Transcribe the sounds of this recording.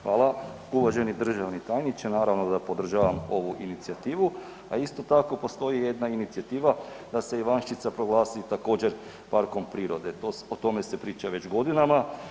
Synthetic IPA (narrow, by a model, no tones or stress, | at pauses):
xʋaːlˠa | uʋaʒe̞nid̪r̩ʒaʋnit̪ajnit͡ʃenaːɾaʋno̞d̪apo̞d̪r̩ʒaːʋamo̞ʋuʔinit̪siat̪iːʋu | aist̪o̞t̪ako̞po̞st̪o̞jije̞d̪nainit̪siat̪iːʋa | d̪ase̞iʋanʃit̪sapɾo̞ɡlˠaːsit̪ako̞ːd͡ʑe̞ɾ | paɾko̞mpɾiːɾo̞d̪e̞t̪oot̪o̞me̞sepɾiːt͡ʃaʋe̞t͡ʃɡo̞d̪inama